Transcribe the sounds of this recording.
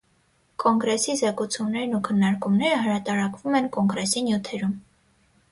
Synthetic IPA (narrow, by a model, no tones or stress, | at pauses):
kɔŋɡɾɛsizɛkut͡sʰumnɛɾnukʰənːɑɾkumnɛɾəɦəɾɑt̪ɑɾɑkvumɛnkɔŋɡɾɛsinjut̪ʰɛɾum